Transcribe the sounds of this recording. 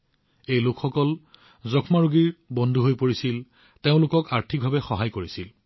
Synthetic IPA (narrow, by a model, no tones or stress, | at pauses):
ejlokxɔkɔl | zɔkʰmaɹuɡiɹbɔndʱuɦojpoɹisil | teʊ̃lʊkɔkaɹtʰik̚bʱabɛxɔɦajkoɹisil